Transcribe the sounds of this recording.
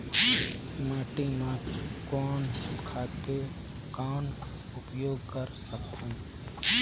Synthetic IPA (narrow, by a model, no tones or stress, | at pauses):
maːʈimãkɔːnkʰaːt̪e | kaːn | ʊpjoːɡkəɾsəkt̪ɦɛ̃